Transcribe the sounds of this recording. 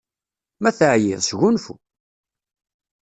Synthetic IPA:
mæθəʕjiðsʝunfṵ

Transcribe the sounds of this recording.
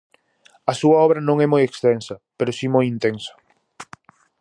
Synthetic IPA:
ɐsuɐɔβ̞ɾɐnõŋɛmojekst̪ensɐpeɾosimojint̪ensɐ̥

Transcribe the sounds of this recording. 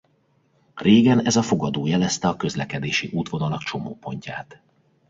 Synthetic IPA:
reːɡɛnɛzɒfo̞ɡɒd̪oːjɛlɛst̪ɛɒkøzlɛkɛd̪eːʃiʔuːt̪ʋo̞nɒlɒkt͡ʃo̞moːpo̞ɲcaːt̪

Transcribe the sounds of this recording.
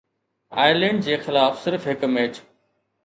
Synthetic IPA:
a̰ːɪlẽːɳɖ̚d͡ʑeːxɪlaːfsɪɾfɦɪkmeːt͡ɕ

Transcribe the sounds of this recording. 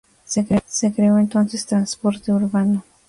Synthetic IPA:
sekɾesekɾewent̪onsest̪ɾanspoɾt̪d̪euɾbano

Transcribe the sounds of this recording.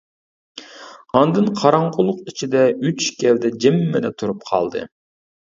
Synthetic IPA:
ɑnd̪ɨnqʰɑɾɑɴqʰʊlˠʊqit͡ʃʰid̪ɛyt͡ʃkʲʰɛvd̪ɛd͡ʒɛmːed̪ɛt̪ʰuɾup̚qʰɑ̰lˠd̪ɨ̰

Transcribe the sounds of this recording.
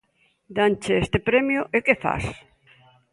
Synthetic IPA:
d̪ant͡ʃeest̪ɪpɾɛmjʊʔɪkefa̰s

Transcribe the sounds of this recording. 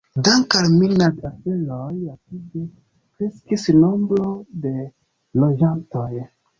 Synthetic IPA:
daŋkalmilnadafelojapide | kɾeskisno̞mbɾo̞de̞ | lo̞d͡ʒantoj

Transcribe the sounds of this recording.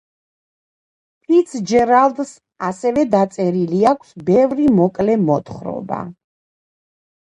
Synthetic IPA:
pʰit̪sʰd͡ʒɛɾalˠd̪s | asɛvɛd̪at̪sʼɛɾiliakʰsbɛvɾimɔkʼlɛmɔt̪χɾɔ̰ba̰

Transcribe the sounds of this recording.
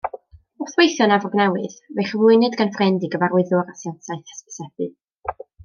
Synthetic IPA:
ɔθwejθjɔnavɔɡnɛwɨðmejχəvlˠʊɨnɨdɡanfrɛndiɡəvaɾʊɨðʊɾasjɛntʰajθɛ̥spɪ̥sɛbɨ

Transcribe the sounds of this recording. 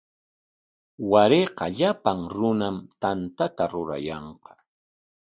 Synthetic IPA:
waɾeqɑʎapaŋɾʊnamt̪ant̪at̪aɾʊɾa̰jɑɴqɑ̥

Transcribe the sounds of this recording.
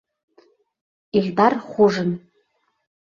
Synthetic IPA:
iɮdarχʷʊʐɨn

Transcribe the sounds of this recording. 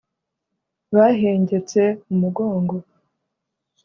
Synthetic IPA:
βaɦeːɲɟe̞t͡se̞umuɡo̞ːŋɡo̞

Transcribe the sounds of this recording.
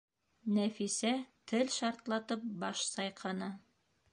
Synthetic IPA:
næfisæt̪ʰɘlʃɑɾt̪lˠɑt̪ɤp̚bɑʃsɑjqʰɑnɑ

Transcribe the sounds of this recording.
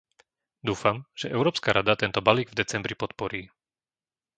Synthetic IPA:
d̪uːfamʒ̥ɛʔɛʊɾɔːpskaɾʔad̪at̪ɛnt̪ɔbaliːɡvd̪ɛt͡sɛmbɾipɔt̪̚pɔɾiː

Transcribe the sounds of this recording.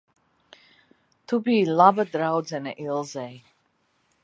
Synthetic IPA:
t̪ʰubiːlˠabad̪ɾawd̪zɛnɛʔilˠzɛj

